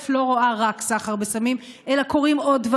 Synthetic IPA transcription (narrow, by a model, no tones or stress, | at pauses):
flo̞ʁoaʁaksaχaʁbesamim | ʔelako̞ʁimo̞dva